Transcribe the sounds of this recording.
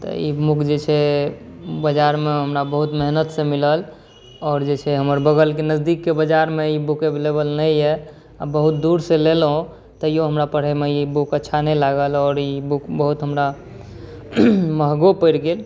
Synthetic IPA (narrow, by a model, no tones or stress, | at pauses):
t̪ɔ̰imukd͡ʒet͡ʃʰɛ | bəd͡ʒaɾmeɦəmɾabəɦut̪məɦnət̪sẽmiləl | ɔːɾd͡ʒet͡ʃʰɛɦəməɾbəɡəlkenəzd̪ikːebəd͡ʒaɾmeibukeblebəlnəjɛ | abəɦut̪̚d̪uɾselelɦõ | t̪əjoɦəmɾapəɽ̤ɛmeibukətːʃʰanɛlaɡəlɔːɾibukbəɦut̪ɦəmɾa | məɦɡopəɪɾɡel